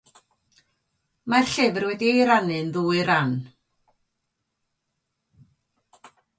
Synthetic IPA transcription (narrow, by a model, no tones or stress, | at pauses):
maɬɪvrwɛdiejɾanɨnðuːɨɾan